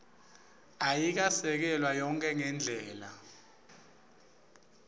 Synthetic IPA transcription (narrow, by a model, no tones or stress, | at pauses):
ajik̬asɛk̬ɛlwajɔŋkʼɛŋɛnd͡ɮʱɛːla